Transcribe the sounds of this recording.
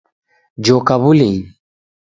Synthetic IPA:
d͡ʒoːkaβuli

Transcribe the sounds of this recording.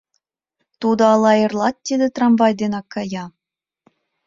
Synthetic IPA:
t̪ud̪ŏɑlˠɑerlˠɑt̪̚ːid̪ĕt̪rɑmvɑjd̪enɑkːɑjɑ

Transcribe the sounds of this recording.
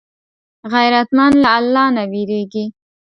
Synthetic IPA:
ɣajɾat̪manlaːlːɑnawiɾeɡi

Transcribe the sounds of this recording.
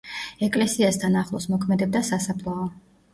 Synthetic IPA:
ɛkʼlɛsiast̪ʰanaχlˠɔsmɔkʰmɛd̪ɛb̚d̪asasapʰlˠaɔ

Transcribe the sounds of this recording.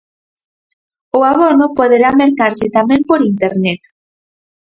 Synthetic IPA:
ʊaβonʊpoðeɾameɾkaɾsɪt̪amɛ̃mpoɾint̪eɾnet̪

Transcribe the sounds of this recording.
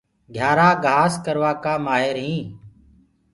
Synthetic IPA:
ɡʱjaːɾaːɡʱaːskəɾʋaːkaːmaːɦɪɾɦĩː

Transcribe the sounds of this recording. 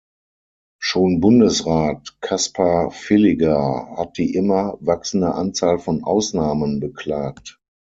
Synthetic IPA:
ʃoːnbʊndəsʁaːtkʰaspʰafɪlɪɡahat̚d̥iːʔɪmɐvaksn̩dəʔant͡saːlfɔnʔa̰ʊsnaːmənbəkl̥aːkt

